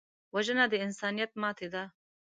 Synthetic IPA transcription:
waʒənad̪əɪnsɑnijat̪̚mɑːt̪ʰed̪a

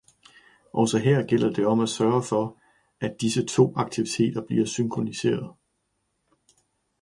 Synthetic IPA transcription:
ʔɒʊsɒɦɛɐ̰ɡ̥el̰ɐd̥e̝ɒ̽mæsɶːɐfɒ̽ | æd̥isət͡sʰo̝̰ːɑ̈ɡ̥̚t͡sʰiʋit͡sʰe̝̰ːd̥ɐb̥liːɐsyŋkʰʁonise̝̰ːɐðˠ

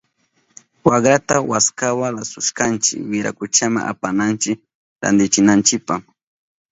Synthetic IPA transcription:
waɡɾat̪awaskawaɾasʊʃkant͡ʃɪ̰wɪɾa̰kʊt͡ʃama̰ŋʔa̰panant͡ʃɪk | ɾa̰nd̪ɪt͡ʃɪnant͡ʃɪpaχ

